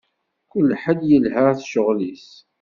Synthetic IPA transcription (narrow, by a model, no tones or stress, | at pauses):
kʊlːħəd̪jəlhæʁθʃəʁlis